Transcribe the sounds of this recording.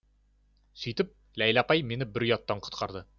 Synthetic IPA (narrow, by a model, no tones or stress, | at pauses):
sɵjt̪ɪp̚ | læjlapɑjme̞nɪbɪɾjɒt̪ːɑɴqʰʊ̥t̪qʰɑɾd̪ə